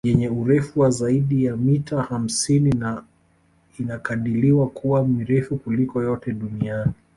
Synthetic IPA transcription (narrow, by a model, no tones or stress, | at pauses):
ʄɛɲɛuɾɛfuwazaiɗijamitaham̩sinina | inakaɗiliwakʰuwamiɾɛfukulikɔjɔtɛɗuniani